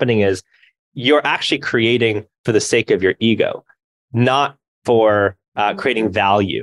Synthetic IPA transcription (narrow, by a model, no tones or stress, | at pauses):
pɨnɪ̃ŋɪz | jə˞ʔæk̚t͡ʃʉl̩ˠikʰɹ̥ieɪɾɪ̃ŋfə˞ðɨseɪkʌvjə˞ʔiɡo̰ʊ | nət̚ | fə˞ | kʰɹ̥ieɪɾɪ̃ŋvælˠjʉ̰